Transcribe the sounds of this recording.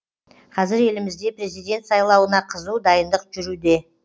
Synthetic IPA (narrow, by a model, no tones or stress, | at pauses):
qʰɑzɪɾe̞lɪmɪzd̪e̞prʲe̞zijd̪ʲe̞nt̪sɑjlˠɑwənɑqʰəzud̪ɑjənd̪əqʒʏɾud̪e̞